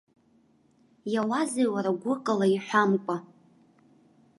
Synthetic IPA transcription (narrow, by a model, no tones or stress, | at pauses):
jawazewaɾaɡʷʊqʼalaiħʷᶣamkʷʼa